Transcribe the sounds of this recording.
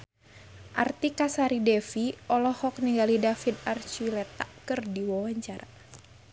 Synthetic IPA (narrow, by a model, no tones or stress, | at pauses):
ʔart̪ikasaɾidɛfiʔɔlɔhɔk̚niŋɡalidafid̪̚art͡ʃilɛt̪aʔkɨrdiwawaɲt͡ʃaɾa